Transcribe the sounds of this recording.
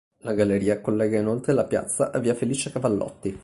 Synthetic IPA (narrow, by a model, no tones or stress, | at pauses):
laɡaleɾiːakolːɛːɡainolt̪ɾelapja̰t̪sːa̰ʔavːiːafeliːt͡ʃeakavalːɔ̰t̪ːi